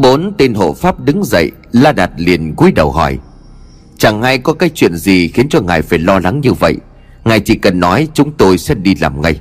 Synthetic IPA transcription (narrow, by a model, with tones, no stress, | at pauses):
ɓo˨˦nt̪e˧nɦo̰˧˨faː˦˥p̚ɗɨ˨˦ŋzə̰˧˨j | laː˧ɗaː˨˩t̚li˨˩ənku˨˦jɗə˨˩wɦɔ̰˧˩j | t͡ɕa˨˩ŋha˧jkɔ˨˦kaː˨˦jt͡ɕwḭ˧˨ənzi˨˩xi˨˦ənt͡ɕɔ˧ŋaː˨˩jfaː˧˩jlɔ˧la˨˦ŋɲɨ˧və̰˧˨j | ŋaː˨˩jt͡ɕḭ˧˨kə˨˩nːɔ˨˦jt͡ɕʊ˨˦ŋ͡mt̪o˧jsɛ˦˥ɗi˧laː˨˩mŋa˧j